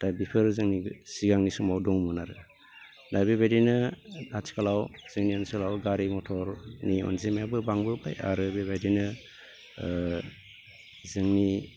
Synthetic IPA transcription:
d̥ajbipʰɯɾzɯŋnisiɡaŋnisumawdɔŋmunaɾɯ | dajbebajdinɯdat͡ʃi̥kalawz̥ɯŋniɔnskalawɡaɾimɔtʰɔɾniɔ̰nzimjabɯbaŋbɯba̰ja̰ɾɯbeβajdinɯ | zɯŋni

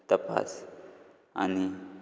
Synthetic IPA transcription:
t̪əpa̰s | a̰ni

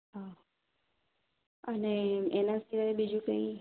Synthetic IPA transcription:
ɦa | əneenast̪ʰiɾəebid͡ʒũkə̃ĩ

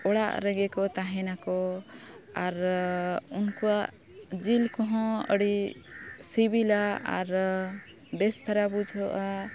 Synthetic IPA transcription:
ɔɽa̰ʔɾɛɡɛkɔt̪aɦɛnakɔ | aɾ | unkuaʔ | d͡ʒilkɔɦɔ̃ə̰ɽi | sibilaa̰ɾ | bɛst̪ʰaɾabud͡ʒʱɔʔa

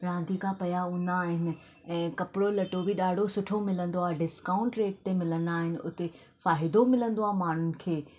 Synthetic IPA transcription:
ɾãːnd̪ʱikʰãpɐjaʊ̃ːn̆d̪aːɦɪnɪ̆ | ɛ̃ːkɐpɪɽolɐʈobɪɗaːɽ̤ʱosʊʈʰomɪlə̃nd̪oaːɦeɖɪskaːʊ̃ɳʈɾeːʈ̚t̪emɪlə̃nd̪aːɦɪnɪ̆ʊ̰t̪e | faːɦɪd̪omɪlə̃nd̪oaːɦmaːn̤ʊnɪ̆kʰeː

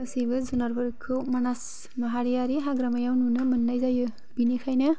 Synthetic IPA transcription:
ɯsijbɯzunaɾbɯɾkʰɯmanas | maɦaɾijaɾiɦaɡɾamajawnunɯmɯnːajzajɯ | binikʰajnɯ

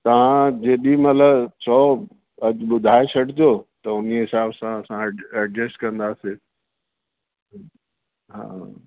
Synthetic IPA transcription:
t̪ɐʋ̤ãd͡ʑeːɗĩmɐt̪ləbsʰɔː | ɐɓʊd̪ʱaːet͡ɕʰɐɖʰʱɪt̪ʰjoːt̪ɐʊniɦɪsaːbsãɐsãɛɖɾesʈkɐ̃nd̪aːseː | ɦa̰ː

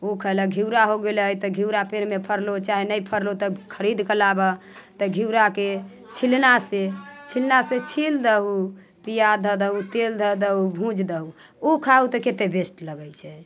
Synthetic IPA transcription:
okʰələɡʱiwɾaɦoɡeləjt̪ɔɡʱiwɾapeɾmepʰəɾlot͡ʃaɦinəjpʰəɾlot̪əkʰəɾid̪kəlabə | t̪əɡʱiwɾake | t͡ʃʰilnaset͡ʃʰilnaset͡ʃʰild̪əɦu | pijad̪ʱəd̪əɦut̪eld̪ʱəd̪əɦubʱũd͡ʒʱd̪əɦuokʰaut̪əket̪ebesʈləɡəjt͡ʃʰɛ

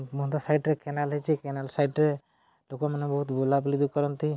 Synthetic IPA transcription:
mɔd̪asajʈɾɛkɛnalɦet͡ʃʰikɛnalsajʈɾɛ | lokɔmanɛbɔɦut̪bulabulibikɔɾɔnt̪i

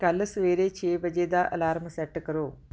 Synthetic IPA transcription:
kɐlːɐsʋeːɾeːt͡ʃeːʋɐd͡ʒeːd̪aːʔɐ̰laːɾmɐsɐʈːɐkɐɾu

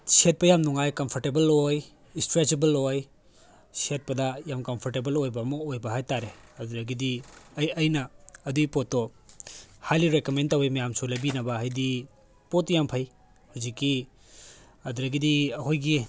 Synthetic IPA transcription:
set̚pɐjamnuŋajkɐmpʰɔɾtebɐloj | istɾet͡ʃebɐloj | set̚pɐdɐjamkɐmpʰɔɾtebɐlojbɐmɐojbɐɦajtaɾeɐduɾɐɡidiɐjɐjnɐːduipotːɔ | hajliɾekomentɐwimɐjamsulɐjbinɐbɐɦajdi | potːjampʰɐj | huzikːi | ɐduɾɐɡidiɐhojɡi

